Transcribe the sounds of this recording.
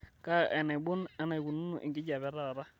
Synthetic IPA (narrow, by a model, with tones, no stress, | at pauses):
ka˦ɛ˨na˨bʊ˦na˦na˨ɡu˨nu˦nṵ˨ʔɪ̰˨ɡɪ˦d͡ʒa˨βɛ˨˦ɾa˦˨ɾa˦